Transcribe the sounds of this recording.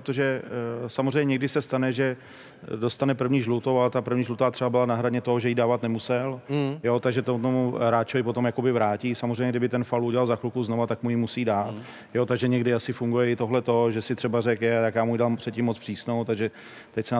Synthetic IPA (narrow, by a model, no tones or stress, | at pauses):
ɾot̪oʒɛsamozrɛjɲɛɲɛɡdɪsɛst̪anɛʒɛ | do̞st̪anɛpr̩vɲiːʒlut̪owalɛt̪apr̩vɲiːʒlut̪aːt̪r̥ɛbabɪlanaɦɾadɲɛt̪o̞ɦoʒɛjidaːvat̪nɛmusɛljo̞t̪aɡʒɛt̪omut̪omuɾaːt͡ʃovɪpo̞t̪omjakobɪvɾaːciːsamorɛjɲɛɡdɪbɪt̪ɛnfalʔuɟɛlalzaxlukuznovat̪akmujimusiːdaːt̪ | jot̪aɡʒɛɲɛɡdɪasɪfuŋɡujɛɪt̪o̞ɦlɛt̪o̞ʒɛsɪt̪r̥ɛbarɛkjɛaj̪akjaːmuːjdalpr̥ɛt̪̚cimːot͡spr̥iːsnowt̪aɡʒɛ | t̪ɛcsɛ